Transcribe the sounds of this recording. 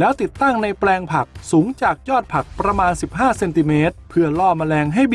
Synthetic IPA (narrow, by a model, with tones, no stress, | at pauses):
lɛː˦˥wt̪i˨˩t̪ːa˥˩ŋna˧jplɛː˧ŋpʰa˨˩k̚suː˩˦ŋt͡ɕaː˨˩k̚jɔː˥˩t̪̚pʰa˨˩k̚pɾa˧maː˧nsi˨˩p̚ɦaː˥˩se˧nt̪i˧meː˦˥t̪̚pʰɯ˥˩ɐlɔː˥˩ma˧lɛː˧ŋɦa˥˩jb